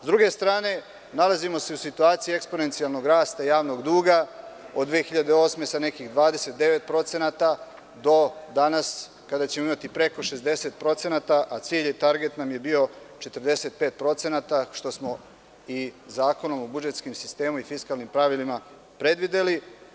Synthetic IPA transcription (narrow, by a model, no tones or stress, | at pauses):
zd̪ɾuɡe̞st̪ɾaːne̞ | nalazimo̞se̞usit̪uaːt̪sijiekspo̞ne̞nt̪sialˠno̞ɡɾaːst̪ajaːʋno̞ɡd̪uːɡa | od̪d̪ʋeːxiʎad̪eo̞ːsme̞sane̞kiɣd̪ʋaːd̪ese̞t̪̚d̪e̞ʋe̞t̪̚pɾo̞t̪se̞naːt̪a | d̪o̞d̪anas | kad̪at͡ɕemoimat̪ipɾe̞ko̞ʃe̞zd̪e̞se̞t̪̚pɾo̞t̪se̞nat̪aʔat̪siːʎet̪aɾɡe̞t̪namje̞bio̞ | t͡ʃe̞t̪əɾd̪e̞se̞t̪̚peːt̪̚pɾo̞t̪se̞naːt̪aʃt̪o̞smo̞ | izaːko̞no̞mobud͡ʒet̪skimsi̥st̪e̞ːmuifiskalˠnimpɾaʋilima | pɾe̞d̪ʋid̪e̞li